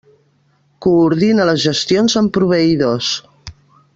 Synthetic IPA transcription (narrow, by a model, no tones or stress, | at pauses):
kuːɾðinələzʒəst̪ionzəmpɾuβ̞əiðos